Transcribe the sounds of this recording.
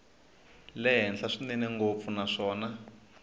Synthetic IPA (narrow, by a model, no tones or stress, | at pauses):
lɛɦɛnɬaʂinɛnɛŋɡop̪funaʂɔːna